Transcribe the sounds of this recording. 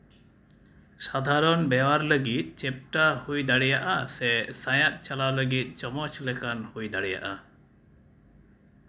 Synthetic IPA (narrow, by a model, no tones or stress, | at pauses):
sad̪ʱaɾɔnbɛwaɾləɡit̪̚t͡ʃɛp̚ʈahujd̪aɽɛjaʔasɛsãjat̪̚ˀt͡ʃalaləɡit̪̚ˀt͡ʃɔmɔt͡ʃlɛkanhujd̪aɽɛja̰ʔa